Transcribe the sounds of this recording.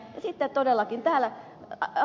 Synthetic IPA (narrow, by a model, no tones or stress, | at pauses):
jɑsit̪ːet̪odelːˑɑkint̪æːlæ | ɑ